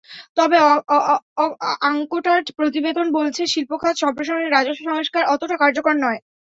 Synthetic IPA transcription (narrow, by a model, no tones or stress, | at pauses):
t̪ɔbe | aŋkoʈaʈpɾot̪ibed̪ʱonbolt͡ɕʰeʃilpokʰad͡ʑʃɔmpɾoʃoɾeɾːad͡ʑoʃʃɔŋoʃkaɾɔt̪oʈakaɾd͡ʑokɾonːɔe